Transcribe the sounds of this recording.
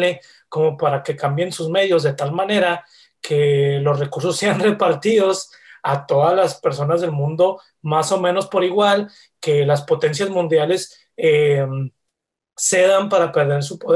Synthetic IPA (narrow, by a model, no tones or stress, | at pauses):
e | ko̞mo̞paɾake̞kambje̞nsuzme̞ðjo̞zðe̞t̪almãne̞ɾa | kʰe̞lo̞sre̞kuɾso̞sːe̞anre̞paɾt̪iðo̞s | at̪o̞ðazlaspe̞ɾso̞nazðe̞lmũnd̪o̞ | maso̞mẽ̞no̞spo̞ɾiɣwal | ke̞laspo̞t̪e̞ns̬jazmũnd̪jale̞s | em | se̞ðampaɾape̞ɾðe̞ɾsupoð